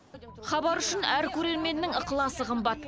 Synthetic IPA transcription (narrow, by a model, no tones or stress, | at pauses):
χɑbɑɾʏʃɪnæɾkʲʰɵɾe̞ɾme̞nːɪŋəqəlˠɑsəqʰəmbɑt̪